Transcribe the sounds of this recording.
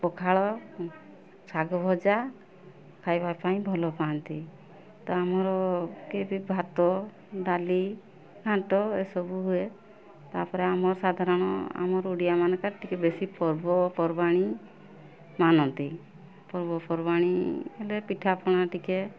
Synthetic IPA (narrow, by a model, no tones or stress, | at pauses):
pɔkʰaɭɔ | t͡ʃʰaɡɔbʱɔd͡ʒa | kʰajbapaĩbʱɔlɔpant̪i | t̪ɔamɔɾɔkebʱibʱat̪ɔ | ɖali | ɡʱãʈɔesɔbuɦue | t̪aɾpɔɾeamɔɾsad̪ʱaɾɔɽ̃ɔ̰a̰mɔɾuɽijamankaɾʈikebesipɔɾbɔpɔɾbaɽ̃i | manɔnt̪i | pɔɾbɔpɔɾbaɽ̃ielepiʈʰapʰɔɽ̃aʈike